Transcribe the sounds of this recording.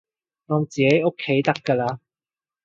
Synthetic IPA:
ŋɔː˨˧mt͡siː˨ke˨˥jo˥kʰːe˨˥jt̪ɐ˥kːəː˧laː˧

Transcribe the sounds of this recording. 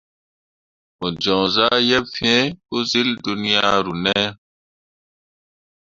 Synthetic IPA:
o˨d͡ʒõː˨zaː˦jɐ˦bfiẽ˦ku˦zi˦ld̪unijaː˦ɾu˨ne˦

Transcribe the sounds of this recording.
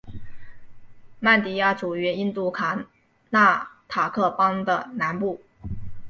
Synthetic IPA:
ma˥˩nt̪i˨˥ja˥˩ʈ͡ʂu˨˩ɥɛ˧˥i˥nt̪u˥˩kʰa˨˩ | na˥˩t̪ʰa˨˩kʰɤ˥˩pɑ˥ŋd̪ə˨na˧˥npu˥˩

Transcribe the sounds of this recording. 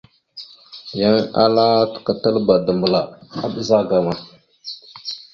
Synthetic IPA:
ja˦ŋa̰˦la˦tə̥˨ka˨tə˦lba˨də˨mbə˨la˨a˦ɓə˦za˦ɡa˨ma˨

